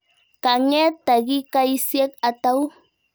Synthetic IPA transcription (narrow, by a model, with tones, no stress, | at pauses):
ka˨ŋe˦t̪a˨ɡi˦ka˦i˦sje˦ka˨t̪a˦w